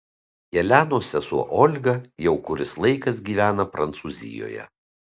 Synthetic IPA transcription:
jɛlʲæːnoːsʲɛsuɔʔɔlʲɡɐjɛʊkʊɾʲɪslˠɐɪkɐsɡʲiːʋʲæːnɐpɾɐnt̪suːzʲɪ̰jo̰ːjɛ̰

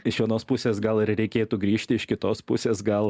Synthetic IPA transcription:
ɪʃʋʲiɛnoːspʊsʲeːsɡɐlˠɪɾɾʲɛɪkʲeːt̪uːɡɾʲiːʃʲt̪ʲɪɪʃkʲɪt̪oːspʊsʲeːsɡɐlˠ

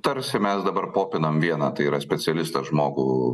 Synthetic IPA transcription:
t̪ɐɾʲsʲɪmʲɛsd̪ɐbɐrpoːpʲɪnɐmʋʲiɛnɑːt̪ɐɪiːɾɐsʲpʲɛt͡ssʲɛlʲɪst̪ɐsʒmoːɡuː

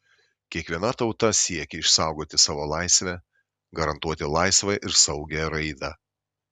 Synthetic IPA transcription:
kʲiɛkʋʲiɛnɐt̪ɒʊt̪ɐsʲiɛkʲɛɪʃsɑˑʊɡoːt̪ʲɪsɑːʋoːlˠɑˑɪsʲʋʲɛ | ɡɐɾɐnt̪uɔt̪ʲɪlˠɑɪsʋɐɪʔɪɾsɐʊɡʲɛɾɐɪd̪ɑː

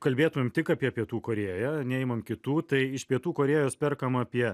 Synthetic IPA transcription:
kɐlʲbʲeːt̪ʊmʲɪmt̪ʲɪkɐːpʲiɛpʲiɛt̪uːkoːɾʲeːjænʲɛɛɪmɐmkʲɪt̪uːt̪ɐɪɪʃpʲiɛt̪uːkoːɾʲeːjoːspʲɛrkɐmɐːpʲiɛ

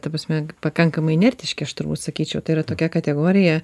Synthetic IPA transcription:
t̪ɐpɾɐsʲmʲɛpɐkɐŋkɐmɐɪnʲɛrʲt̪ʲɪʃʲkʲɪɐʃt̪ʊɾbuːt̪sɐkʲiːt͡ʃʲɛʊt̪ɐɪiɾɐt̪oːkʲɛkɐt̪ʲɛɡoːɾʲɪjɛ

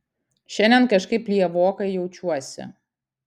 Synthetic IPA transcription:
ʃʲɛnʲd̪ʲɛnkɐʃkɐɪplʲiɛʋoːkɐɪjɛʊt͡ʃʲuɔsʲɪ̰

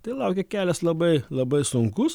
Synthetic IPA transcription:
t̪ɐɪlˠɐˑʊkʲɛkʲæːlʲɛslˠɐbɐɪlˠɐbɐɪsʊŋkʊs

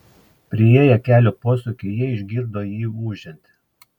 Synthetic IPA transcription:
pʲɾʲɪeːjɛkʲæːlʲoːpoːsʊkʲɪjiɛɪʒʲɡʲiːɾd̪oːjiːuːʒʲɛnʲt̪ʲ

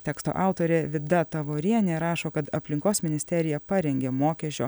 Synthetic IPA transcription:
t̪ʲɛːkst̪o̰ːʔɑˑʊt̪oːɾʲeːʋʲɪd̪ɐt̪ɐʋoːɾʲiɛnʲeːɾɑːʃoːkɐt̪ɐpʲlʲɪŋkoːsmʲɪnʲɪsʲt̪ʲɛɾʲɪjɛpɑɾʲɛŋʲɡʲeːmoːkʲɛʃʲo̰ː

